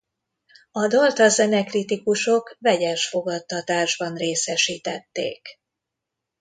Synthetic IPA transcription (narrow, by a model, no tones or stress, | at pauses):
ɒd̪olt̪ɒzɛnɛkrit̪ikuʃo̞kvɛɟɛʃfo̞ɡɒt̪ːɒt̪aːʒbɒnreːsɛʃiːt̪ɛt̪ːḛːk